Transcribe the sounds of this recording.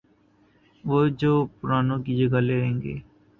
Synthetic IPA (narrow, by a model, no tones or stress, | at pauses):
ʋoːd͡ʒoːpʊɾaːnoːkid͡ʒəɡaleɦẽːŋɡḛː